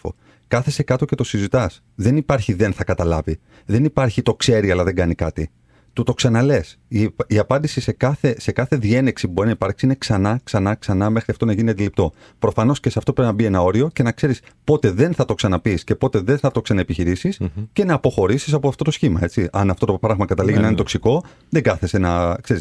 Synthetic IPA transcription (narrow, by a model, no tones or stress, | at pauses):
o̰ | kɐθese̞kɐt̪oce̞t̪o̞sizit̪ɐs | ðe̞nipɐɾçiðe̞nθɐkɐt̪ɐlɐ̰vi | ðe̞nipɐɾçit̪o̞kse̞ɾiɐlɐðe̞ŋɡɐnikɐt̪i | t̪ut̪o̞ksɐnɐle̞s | iiɐpɐnd̪isise̞kɐθese̞kɐθe̞ðie̞neksipubo̞ɾinɐipɐɾksiine̞ksɐnɐksɐnɐksɐnɐme̞xɾiɐft̪o̞nɐʝiniɐd̪ilip̚t̪o̞ | pɾo̞fɐno̞sce̞seɐft̪opɾepinɐbie̞nɐo̞ɾio̞ce̞nɐkse̞ɾispo̞t̪e̞ðe̞nθɐt̪o̞ksɐnɐpisce̞po̞t̪e̞ðe̞nθɐt̪o̞ksɐnɐepiçiɾisisce̞nɐːpo̞xo̞ɾisis̬ɐpoɐft̪o̞t̪o̞sçimɐe̞t͡siɐnɐft̪o̞t̪opɾɐɣmɐkɐt̪ɐliʝinɐinet̪o̞ksiko̞ | ðeŋɡɐθesenɐkse̞ɾis